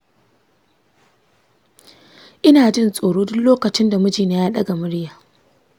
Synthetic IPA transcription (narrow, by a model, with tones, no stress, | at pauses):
ʔɪ˦naː˨d͡ʒɪ˦˨nsʼoː˨ɽoː˦dʊ˦nloː˦kɐ˨t͡ʃɪ˦nda˨mʊ˦d͡ʒiː˨neː˦jaː˦ɗɐ˦ɡa˨mʊ˦ɽjaː˨